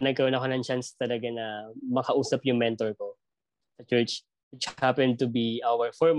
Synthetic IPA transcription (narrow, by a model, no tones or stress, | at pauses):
nɐɡ̚kɐɾonakonɐŋt͡ʃanst̪ɐlɐɡanɐmɐkɐʔuːsɐpjʊŋmɛnt̪ɔɹko̞ | sɐt͡ʃɛɹt͡ʃ | wɪt͡ʃhhapɛnd̪̚t̪ʊbiawɛɹfɔɹm